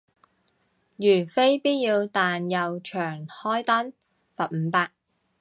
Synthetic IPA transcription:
jyː˨˩fe˥jpiː˥t̚jiː˧wt̪aː˨njɐ˨wt͡ʃʰœː˨˩ŋhɔː˥jt̪ɐ˥n | fɐ˨t̚m̩˨˧paː˧k̚

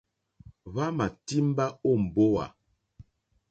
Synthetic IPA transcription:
βa˦ma˨ti˦m˦ba˦o˦˨m̩˨bo˦wa̰˨

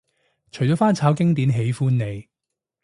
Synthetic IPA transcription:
t͡ʃʰɵ˨˩ɥt͡sɔː˨˥faː˥nt͡sʰaː˨˥wkɪ˥ŋt̪iː˨˥nɦe˨˥jfuː˥nːe˨˧j

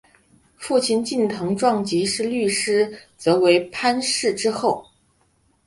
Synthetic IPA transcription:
fu˥˩t͡ɕʰi˥˧nt͡ɕi˥˩nt̪ʰɤ˧˥ŋʈ͡ʂwɑ˥˩ŋt͡ɕi˧˥ʂɻ̩˥˧ly˥˩ʂɻ̩˥t͡sɤ˧˥we˧˥ɪpʰa˥nʂɻ̩˥˩ʈ͡ʂɻ̩˥xo˥˩ʊ

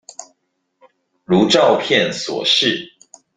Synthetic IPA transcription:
ɻu˨˦ʈ͡ʂɑ˥˨ʊpʰjɛ˥˨nswɔ̰˨˩ʂɻ̩˥˨

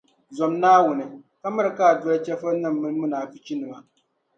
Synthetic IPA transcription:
zɔ˨mnaː˦wʊ˨nɨ˨ | ka˦mɨ˦ɾɨ˨kaː˦˨dɔ˦lt͡ʃɛ˦fɨ˦nɨ˦˨mːɨ˦lmɨ˦naː˨pɨ˦t͡ʃi˦nɨ˨ma˦

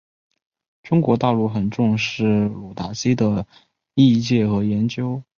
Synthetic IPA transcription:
ʈ͡ʂʊ˥ŋkwɔ˧˥t̪ɑ˥˧ʊlu˥˩xə˨˩nʈ͡ʂʊ˥˧ŋʂɻ̩˥˩lu˨˩t̪a˧˥si˥d̪ə˨ | i˥˧t͡ɕjɛ˥˩xɤ˧˥jɛ˧˥nt͡ɕjo˥ʊ

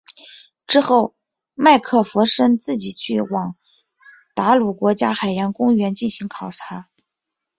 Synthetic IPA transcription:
ʈ͡ʂɻ̩˥xo˥˩ʊ | ma˥˧ɪkʰɤ˥˩fɤ˧˥ʂə˥ŋt͡sɹ̩˥˩t͡ɕi˨˩t͡ɕʰy˥˩wɑ˨˩ŋ | t̪a˧˥lu˨˩kwɔ˧˥t͡ɕja˥xa˨˩ɪjɑ˧˥nkʊ˥ŋɥɛ˧˥nt͡ɕi˥˩nɕi˧˥ŋkʰɑ˨˩ʊʈ͡ʂʰa˧˥

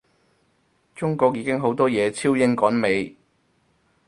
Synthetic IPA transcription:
t͡ʃʊ˥ŋkɔː˧k̚jiː˨˧kɪ˥ŋɦo˨˥wt̪ɔː˥jɛː˨˧t͡sʰiː˥wjɪ˥ŋkɔː˨˥nme˨˧j

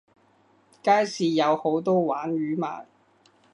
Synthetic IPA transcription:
kaː˥jsiː˨˧jɐ˨˧who˨˥wt̪ɔː˥waː˨˥nɥyː˨˥ma̰ː˨˩n

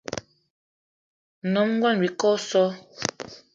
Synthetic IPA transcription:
nɔ˨˦mŋ˦ɡwa˦˨n˨bi˨kɔ˦sɔ˦

